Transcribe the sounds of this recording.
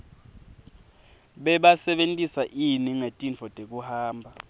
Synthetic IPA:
ɓɛɓasɛɓentʼisaʔiniŋetʼint͡fɔd̥ʱek̬ʼuhaːmbʱa

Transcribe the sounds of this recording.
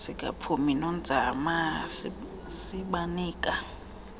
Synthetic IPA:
sikʼa̰pʰuminɔnd͡zʱamas | siɓaniːkʼa

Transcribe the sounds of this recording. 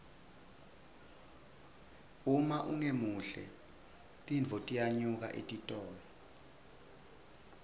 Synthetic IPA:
umaʔuŋemuɬɛ̰ | tʼinvʱɔtʼijaɲuk̬a̰ʔḛtʼitʼɔːlɔ

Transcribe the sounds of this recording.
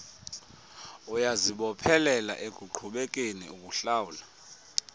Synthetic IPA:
ujaziɓɔpʰɛlɛla̰ʔeɡ̥ʱuǃʰʱuɓek̬ʼenḭuk̬ʼuɬaːwula

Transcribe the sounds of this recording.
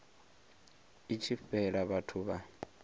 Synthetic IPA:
it͡ʃʰiɸɛɺaβatʰuβa

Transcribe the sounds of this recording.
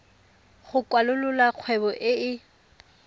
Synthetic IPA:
χʊkʼwalʊlʊlaq͡χʰwɛbɔʔɪɪ

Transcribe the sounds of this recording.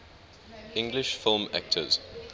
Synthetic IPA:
ɪ̃ŋɡlɪʃfɪlˠmæk̚tʰə̰z̥

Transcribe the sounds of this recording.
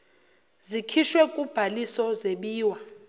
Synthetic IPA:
zikʰiʃwɛk̬ʼub̥ʱalisɔzeɓiːwa

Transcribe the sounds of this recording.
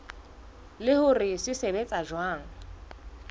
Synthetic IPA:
lɪhʊrɪsɪsebet͡sʼaʒwaːŋ̩

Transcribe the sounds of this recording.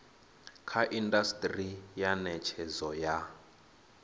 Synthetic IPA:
kʰaʔindastʼrijanɛt͡ʃʰɛzɔja

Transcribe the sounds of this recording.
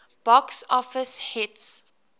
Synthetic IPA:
b̥ɔksɔfəshɪts

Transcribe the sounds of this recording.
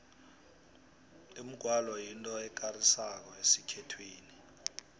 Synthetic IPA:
im̩ɡ̥ʱwalɔjintʼɔɛk̬ʼarisak̬ɔesikʰɛtʰweːni

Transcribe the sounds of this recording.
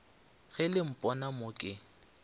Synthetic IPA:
ɣɛlɪm̩pʼɔnamokʼɪ

